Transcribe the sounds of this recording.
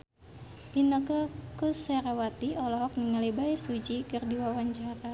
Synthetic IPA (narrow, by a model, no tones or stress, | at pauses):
binəkəkusɛɾawat̪iɔlɔɦɔk̚nəŋalibaisud͡ʒikɨrdiwawaɲt͡ʃaɾa